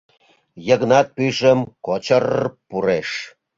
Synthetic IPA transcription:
jəɣnɑt̪̚pyʒəmkot͡ɕərpuɾeʃ

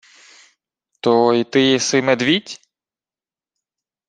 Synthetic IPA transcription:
t̪ɔit̪ɪjɛsɪmed̪ʋʲitʲ

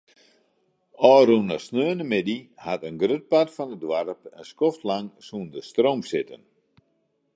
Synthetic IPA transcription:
ɔːrunə̰snøːənəmɪdihatənɡrøt̚parfɔnədwarpə̰nskɔftlaŋsundəstrowmsɪtə̰n

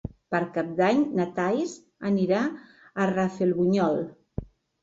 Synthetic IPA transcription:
pəɾkap̚d̪aɲnat̪ajz | əniɾa | ərafelβuɲɔl

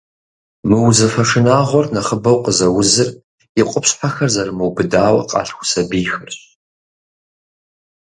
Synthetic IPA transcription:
mɨwzɐfɐʂɪnaːʁʷɔrnɐχəbɐwqʼəzɐwʊzɨr | ɪqʷʼʊpɕħaxɐrzɐrmɨwbɨdaːwɐ̰qʼɑ̰ːɬxʷʊ̥sɐbiːxɨrɕ

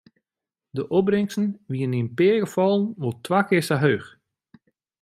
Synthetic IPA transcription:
dəʔɔbrɪŋsn̩ʋiəninpɪəɡəfɔlˠən̩ʋolˠtʰʋaːkɪsaɦøːx

